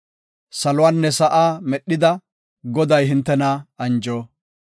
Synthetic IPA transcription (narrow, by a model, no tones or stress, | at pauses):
sɐlʊwaːnːɛsɐʔaːmɛɗːɪd̪ɐ | ɡɔd̪ɐjɦɪnt̪ːɛnɐɐnd͡ʒoː